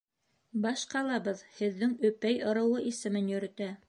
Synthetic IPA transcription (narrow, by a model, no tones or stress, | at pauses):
bɑʃqɑlˠɑbɤðhɘ̆ðːɘŋɵ̆pæjŏɾɤ̆wɤʔisɘ̆mɘnjɵ̆ɾɘ̆t̪æ